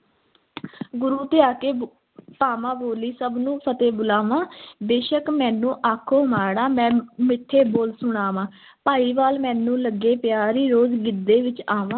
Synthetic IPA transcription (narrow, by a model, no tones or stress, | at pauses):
ɡʊɾuːt̪eaːkeː | paːmãːboːliːsəbnũːpʰət̪eːbʊlaːʋãːd̪eːʃəkmɛ̃ːnũːʔaːkʰoːmaːɽaːmɛ̃ːmɪʈʰːeːboːlsʊɽ̃aːʋãː | paːiːʋaːlmɛ̃ːnũːləɡːeːpɪjaːɾiːɾoːzɡɪd̪ːeːʋɪt͡ʃaːʋãː